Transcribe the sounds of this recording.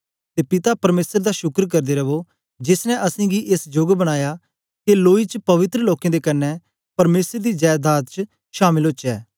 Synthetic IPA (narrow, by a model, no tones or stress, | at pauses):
t̪eːpɪt̪apɐɾmeːsəɾd̪aʃʊkɾk̬ɐɾd̪eːɾɐʋo | d͡ʒɪsnɛ̃ʔɐsĩːɡiʔesd͡ʒʊɡbəɽ̃aːja | keloːit͡ʃpɐʋɪt̪ɾəloːkẽːd̪ekɐnːɛ | pɐɾmeːsəɾd̪iːd͡ʒaːjd̪aːt̪̚t͡ʃ | ʃaːmɪlot͡ʃɛː